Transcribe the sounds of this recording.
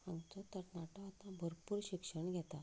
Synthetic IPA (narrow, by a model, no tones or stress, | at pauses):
aŋɡt͡sɔt̪əɾnaʈɔat̪ãbʱəɾpuːɾɕikʂəɳɡʱɛt̪a